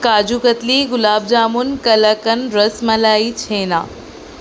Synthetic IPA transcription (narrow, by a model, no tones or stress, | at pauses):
kaːd͡ʑukət̪liɡʊlaːb̚d͡ʑaːmʊnkɐləkənɾəsməlaːit͡ɕʰeːna̰ː